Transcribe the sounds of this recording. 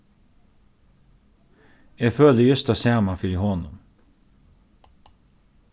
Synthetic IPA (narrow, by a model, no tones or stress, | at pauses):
eːføːləjʏst̪ɑsjæːmɑfʏɾihɔnʊ̰m